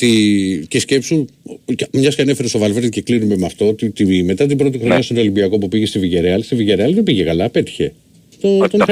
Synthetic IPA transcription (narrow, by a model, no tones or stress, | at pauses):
t̪icesce̞psu | mɲɐskɐnefeɾest̪o̞vɐlveɾnceklinimemɐft̪o̞ot̪it̪iime̞t̪ɐt̪ibɾo̞t̪ixɾonɲɐst̪oolimbiɐko̞pupiʝe̞st̪iviʝe̞ɾeɐlst̪iviʝeɾeɐliðebiʝekɐlɐpe̞t̪i̥çe̞ | t̪ot̪on